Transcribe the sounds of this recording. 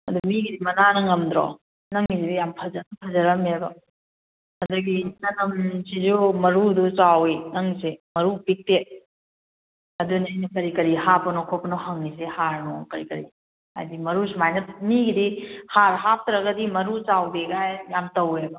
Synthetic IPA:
ɐ̰dumiɡidimɐnanɐŋɐmd̪ɾo̰ | nɐŋːisidijampʰɐzɐnpʰɐzɐɾɐmebɐ | ɐduɡisɐnɐmsizumɐɾudut͡ʃawinɐŋsemɐɾupik̚te | ɐdunɐjnɐkɐɾikɐɾihapɐnɔkʰopnohɐŋːis̬ehaɾnokɐɾikɐɾi | ha̰jdimɐɾusimajnɐp̚miɡidihaɾɦap̚t̪ɾɐɡɐdimɐɾut͡ʃawdeɡajjamtɐwebɐ

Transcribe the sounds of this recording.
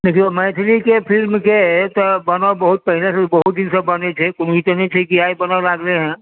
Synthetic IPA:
nekimɛːt̪ʰlikepʰilmket̪ɔbənɔbəɦut̪̚pəɦinesbəɦut̪̚d̪insə̃bənet͡ʃʰɛkonit̪ənɛt͡ʃʰɛkiajbənalaɡleɦɛ̃

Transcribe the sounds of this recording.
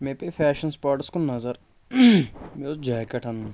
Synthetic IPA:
mepefʰɛːʃənspaːɾʈskonɐzəɾ | meod͡ʒaɦkɐʈʰɐn

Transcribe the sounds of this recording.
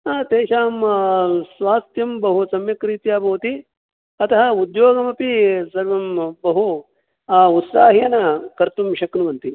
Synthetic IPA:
aːt̪eːʃaːm | sʋaːst̪jɐmbɐɦusɐmjɐkɾiːt̪jaːbɐʋt̪i | ɐt̪ɐɦɐud̪joːɡɐmɐpisɐɾʋɐmbɐɦu | ut̪saːɦijɐnɐkɐɾt̪umʃɐknuʋɐnt̪i

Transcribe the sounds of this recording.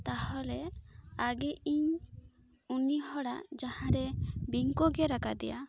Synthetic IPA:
t̪ahɔlɛaɡɛʔiɲ | uniɦɔɽa̰d͡ʒahãɾɛbiŋkɔɡɛɾakad̪ɛ̰ja

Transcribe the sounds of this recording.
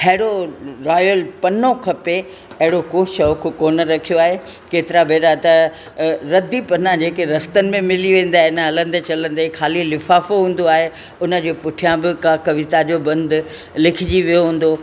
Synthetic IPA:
hɐɦɪɽoɾaːjəlpɐnokʰɐpe | ɐɦɪɽokoːʃɐʋkʰʊkoːnə̆ɾɐkʰijoaːɦekeːt̪ɪɾabeːɾat̪ɐ | ɾɐd̪ʱipɐnãd͡ʑeːkeɾɐst̪ənɪ̆mẽmɪliʋẽːn̆d̪aːɦɪnəɦɐlə̃nd̪et͡ɕɐlə̃nd̪ekʰaːlilɪfaːfoɦũːn̆d̪oaːɦe | ʊnə̆d͡ʑeːpʊʈʰijãbɪkakɐʋɪt̪ad͡ʑoːbɐ̃nd̪ | lɪkʰɪd͡ʑiʋijoɦũːn̆d̪o

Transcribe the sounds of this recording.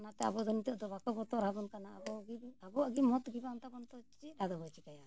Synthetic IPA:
nat̪ɛa̰bɔd̪ɔnit̪ɔʔd̪ɔbakɔbɔt̪ɔɾɦabɔnkanaːbɔɡibabɔaɡimɔt̪ɡibaɔnt̪abɔnt̪ɔt͡ʃit̪̚ɾaɡ̪abɔt͡ʃikaja

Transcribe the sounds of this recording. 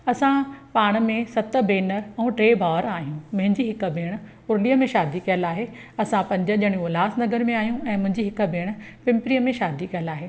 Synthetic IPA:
ɐsãpaːɽ̃mẽsɐt̪̆bʱeːnəɾɛ̃ːʈɾeːbʱaːʋəɾaːɦijũmɐ̃ɦɪ̃ɲd͡ʑiɦɪkə̆bʱeːɽ̃ʊ̆ | ʊɾlijəmẽʃaːd̪ikijəlaːɦeɐsãpɐ̃ɲd͡ʑəʄɐɽ̃ĩolaːsnɐɡəɾmẽaːɦijũɛ̃ːmʊ̃ɦɪ̃ɲd͡ʑiɦɪkə̆bʱeːɽ̃ʊ̆pɪ̃mpɾiːəmẽʃaːd̪ʱikɐjəlaːɦeː

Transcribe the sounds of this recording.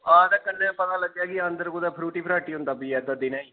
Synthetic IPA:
aːd̪aːkənːẽpət̪ãːləɡːjaːkɪənd̪əɾkod̪aːpʰɾuːʈiːpʰɾaːʈiːɦʊ̃nd̪aːpiːɛːd̪ad̪ɪnãːiː

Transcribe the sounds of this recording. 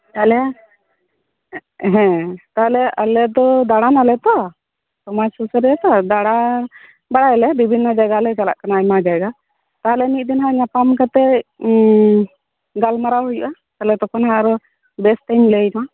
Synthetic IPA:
t̪aɛlɛa | ɦɛ̃t̪aɦɛlɛalɛd̪ɔd̪aɽanalɛt̪ɔ | t̪ɔmasusɾɛt̪ɔad̪aɽa | baɽajlɛbibʱinːɔd͡ʒaɡalɛd͡ʒala̰ʔkanajmad͡ʒaɡa | t̪aɦlɛnit̪̚ˀd̪inɦaɲapamkat̪ɛ | ɡalmaɾaɦujuʔa | t̪alɛt̪ɔkʰɔnɦaɾɔ | bɛsʈɛɲlejma

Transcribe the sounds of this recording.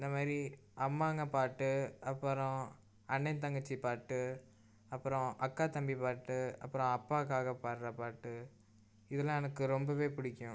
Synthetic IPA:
ɪnd̪ɐmaːd̪ɾi | ɐmːaːŋɡɐpaːʈːɯɐpːɯɾɔ̃ | ɐɳːɛnt̪ɐŋɡɐt͡ʃːipaːʈːɯ | ɐpːɯɾɔ̃ʔɐkːaːt̪ɐmbipaːʈːɯɐpːɯɾɔ̃ɐpːaːkaːɣɐpaːɾɾɐpaːʈːɯ | ɪðɐlãɛnɐkːɯɾɔmbɐʋeːpʊɽɪkʲːʊ̃

